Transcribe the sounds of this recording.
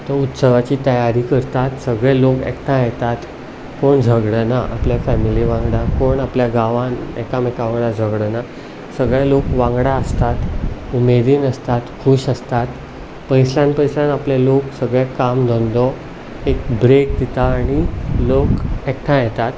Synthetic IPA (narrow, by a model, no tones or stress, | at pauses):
t̪əɾut̪səʋat͡ɕiːt̪əjaɾiːkəɾt̪at̪səɡɭɛlokɛ̰kʈʰãjɛt̪at̪ | koɳd͡zʱəɡɽənaʔapljafɛmiliʋãŋɡɽakoɳapljaɡaʋanɛ̰kamɛkaʋɭad͡zʱəɡɽəna | səɡɭɛlokʋãŋɡɽaəst̪at̪umed̪iːnəst̪at̪kʰuɕəst̪at̪ | pəjslãnpəjslãnapleloksəɡɭɛkamd̪ʱɔnd̪ɔ | ekbɾek̚d̪it̪aːɽ̃ilokɛkʈʰãjɛt̪at̪